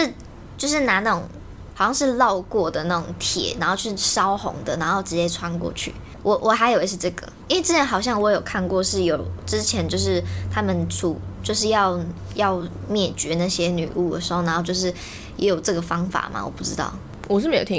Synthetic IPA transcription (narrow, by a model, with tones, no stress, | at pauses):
ʂɻ̩˥˧ | t͡ɕjo˥˧ʊʂ̬ɻ̩˥˩na˧˥na˥˩ʈ͡ʂʊ˨˩ŋ | xɑ˨˩ʊɕjɑ˥˧ʂɻ̩˥˧lɑ˥˧ʊkwɔ˥˩d̪ə˩na˥˩ʊ̰˨˩ŋt̪ʰjɛ̰˨˩˦na˨˧˥nxo˥˧ʊt͡ɕʰy˥˩ʂɑ˥ʊxʊ̰˧˥ŋd̪ə˨na˧˥nxo˥˩ʊʈ͡ʂɻ̩˧˥t͡ɕjɛ˥ʈ͡ʂʰwa˥nkwɔ̰˥˧t͡ɕʰy̰˥˩ | wʔɔ˨˩ʔwʔɔ˨˩xa˧˥ɪjo˨˩i˧˥ʂ̩˥˧ʈ͡ʂɤ˥˩ɡə̰˩i˥nwʈ͡ʂɻ̩˥˩a˧˥nxɑ˨˩ʊɕ̬jɑ˥˩ŋwɔ˧˥jo˨˩ʊkʰa˥˧nkwɔ˥˧ʂɻ̩˥˩jo˨˩ʊʈ͡ʂɻ̩˥t͡ɕʰjɛ˧˥nt͡ɕjo˥˧ʊʂ̬ɻ̩˥˩t̪ʰa˥mə˨nʈ͡ʂʰṵ˨˩t͡ɕjo˥˧ʊʂ̬ɻ̩˥˧jɑ˥˧ʊ | jɑ˥˧ʊ | mjɛ˥˩t͡ɕɥɛ˧˥na˥˩ɕjɛ˥ny̰˨˩u˥˩d̪ə̰˩ʂɻ̩˧˥xo˥˩ʊn˧˥xo˥˧t͡ɕjo˥˧ʊʂɻ̩˥˩ | jɛ˧˥jo˨˩ʊʈ͡ʂɤ˥˩ɡə˩fɑ˥ŋfa̰˨˩mʔɐ̰˩wɔ̰˨˩pu˥˩ʈ͡ʂɻ̩˥t̪ɑ̰˥˩ʊ | wɔ˨˩ʂ̬ɻ̩˥˩me˥j̰̪ʰ